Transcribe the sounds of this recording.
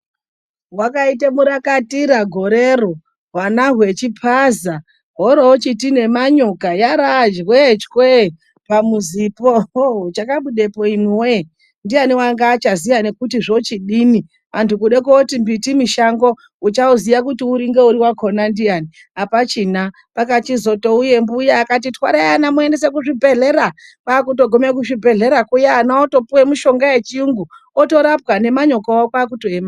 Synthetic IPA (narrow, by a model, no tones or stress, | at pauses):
wakaitemuɾakatiɾaɡʱo̞ɾero | ɦwanaɦwe̞t͡ʃipʰaza | ɦoɾoot͡ʃitine̞maɲokajaɾad͡ʒwet͡ʃkwe | pamuzipot͡ʃakaɓuɗe̞po̞imwe | ndijaniwaŋɡaːt͡ʃazijane̞kutiʐo̞t͡ʃiɗini | antʰukuɗek̬otimbitimiʃaŋɡo̞ | ut͡ʃauzijakutiuɾiŋɡe̞uɾiwakʰo̞nandijani | apat͡ʃina | pakat͡ʃizo̞to̞uje̞mbujaːkat̬itwa̰ɾajanamuende̞s̬ek̬uʐibʱe̞ɮeɾapaːkuto̞ɡʱo̞mek̬uʐibʱe̞ɮe̞ɾakujaːnaoto̞puwemuʃo̞ŋɡaje̞t͡ʃiuŋɡuoto̞ɾapɣane̞maɲo̞koakwaːk̬utoema